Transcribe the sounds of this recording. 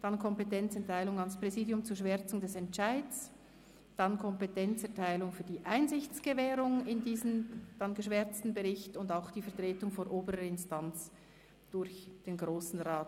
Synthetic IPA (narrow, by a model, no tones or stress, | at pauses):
d̥ɑnkʰɔmpetɛnt͡sɛɐtʰaɪlʊŋɑnspʁ̥ɛziːdjʊmt͡suːɐʃv̥ɛɐt͡sʊŋdɛsɛntt͡ʃaɪds | d̥ɑnkʰɔmpetʰɛnt͡sɛɐtʰaɪlʊŋfyːɐdiːʔaɪnzɪçt͡sɡ̥əvɛːɾʊŋɪndiːzən̩d̥ɑnɡəʃv̥ɛɾt͡stn̩bɛʁɪçtʊndaʊxd̥iːfɛɐtʁ̥eːtʊŋfonʔoːbəɾəɪnstant͡s | d̥ʊɾçd̥eːnɡʁoːsn̩ʁaːt